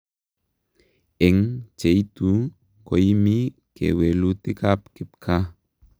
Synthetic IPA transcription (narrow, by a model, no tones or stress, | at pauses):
ɛŋt͡ʃejtu | kojimi | kḛwelutɪkapkɪp̚kʰa